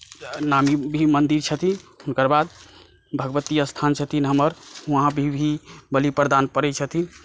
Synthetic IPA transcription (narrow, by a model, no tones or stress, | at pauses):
namibʱimənd̪iɾt͡ʃʰət̪ʰiunkəɾbad̪̚ | bʱəɡʋət̪iəst̪ʰant͡ʃʰət̪ʰinɦəməɾɦãbʱibʱibəlipɾəd̪anpəɾɛt͡ʃʰət̪ʰin